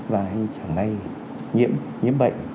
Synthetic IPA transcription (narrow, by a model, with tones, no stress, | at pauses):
vaː˨˩ʔa˧ŋt͡ɕa˨˩ŋna˧j | ɲḭ˧˥əm | ɲḭ˧˥əmɓə̰˧˨jŋ̟